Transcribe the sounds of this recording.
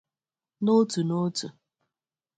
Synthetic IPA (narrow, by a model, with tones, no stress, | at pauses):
no˦tu˨no˦tu˨